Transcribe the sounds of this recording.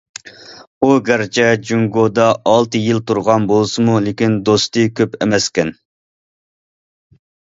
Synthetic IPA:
uɡæɾt͡ʃʰɛd͡ʒuŋɡod̪ɑːlˠt̪ɨjilt̪ʰuɾʁɑnbolˠsɨmulekʲind̪ost̪ɨkʲʰøpemɛskʲɛn

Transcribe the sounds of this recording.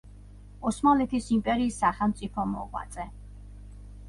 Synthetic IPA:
ɔsmalɛt̪ʰisimpʼɛɾiːsːaχɛlˠmt̪sʼipʰɔmɔ̰ʁwa̰t̪sʼɛ

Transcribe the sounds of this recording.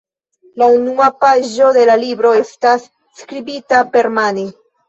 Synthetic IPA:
launuapaʒo̞de̞lalibɾo̞e̞stasː | kɾibitape̞ɾmani

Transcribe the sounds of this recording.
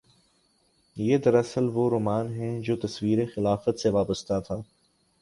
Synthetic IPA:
jeːd̪ɐɾɐsəlʋoɾoːmaːnɦɛ̃d͡ʒoːt̪ɐswiːɾexɪlaːfət̪seʋaːbəst̪at̪ʰaː

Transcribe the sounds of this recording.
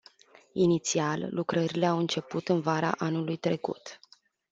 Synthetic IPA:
init̪sialːukɾəɾile̞awɨnt͡ʃe̞put̪ɨnvaɾa̰ʔanulujt̪ɾe̞kṵt̪

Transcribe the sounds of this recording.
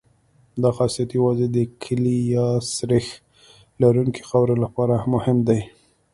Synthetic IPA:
d̪ɑxɑsijat̪jawazed̪əkʰəlijɑsɾɪx | laɾuŋki̥xawɾelapɑɾamʊhɪmd̪aj

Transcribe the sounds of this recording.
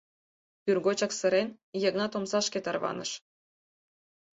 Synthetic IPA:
pʲyrɣot͡ɕɑksə̆ɾʲen | jɤ̆ɣnɑt̪omsɑʃkʲet̪ɑrβɑ̰nɤ̰̆ʃ

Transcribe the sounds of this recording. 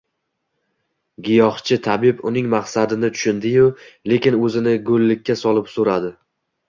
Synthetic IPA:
ɡʲɪjɒχt͡ʃʰɪt̪ʰabɪpʊnɪŋmaqsad̪ɪnɪt̪ʰʊ̥ʃɪnd̪ɪjʊle̞kʲɪnɵzɪnɪɡʊlːɪkʲːasɒlˠɪpsoɾad̪ɪ

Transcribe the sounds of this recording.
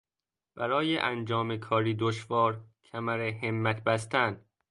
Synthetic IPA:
b̥æɾɒːjeʔænd͡ʒɒːmekʰɒːɾiːd̪oʃvɒːɾcʰæmæɾeɦemːæt̪ʰbæst̪æn

